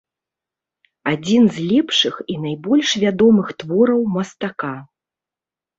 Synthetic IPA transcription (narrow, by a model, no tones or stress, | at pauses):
ad͡zʲinzlʲɛpʂɨxinajbɔlʲʂvʲad̪ɔmɨxt̪vɔɾɐwmɐst̪aka